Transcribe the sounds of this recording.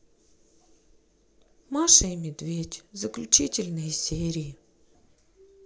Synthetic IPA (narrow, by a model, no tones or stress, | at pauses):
maʂɨjmʲɪd̪vʲetʲzəklʲʊt͡ɕitʲɪlʲnɨjəsʲeɾʲɪjɪ